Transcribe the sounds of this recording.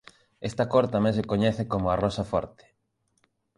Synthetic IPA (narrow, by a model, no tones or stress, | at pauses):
est̪ɐkoɾt̪amẽns̬ekoɲɛθekomʊarɔsɐfɔ̰ɾt̪e̥